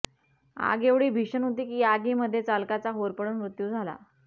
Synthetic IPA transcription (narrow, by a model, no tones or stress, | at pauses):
a̰ɡeʋɽiːbʱiɕənɦot̪iːkiːaɡiːməd̪ʱːjet͡salkat͡saɦoɾpəɽunmɾut̪juːd͡zʱala̰